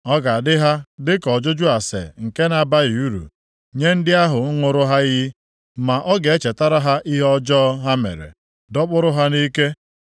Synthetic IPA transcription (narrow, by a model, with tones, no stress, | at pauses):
ɔ˦ɡa˨dɪ˦ɦa˦dɪ˦kɔ˨d͡ʒʊ˦d͡ʒʊ˦a˨sḛ˨ŋ̩˨ke˦na˨ba˦ji˨u˦ɾṵ˨ | ɲe˦n̩˦dɪ˦a˦ɦʊ˨ŋ̩˦ŋʷʊ˨ɾʊ˦ɦa˦jɪ˦ | ma˨ʔɔ˦ɡe˨e˦t͡ʃe˨ta˦ɾa˦ɦa˦ʔi˦ɦɔ˦d͡ʒɔ˦ɦa˦mḛ˨ɾḛ˨ | dɔ˦k͡pʊ˦ɾʊ˦ɦa˦ni˦ke˦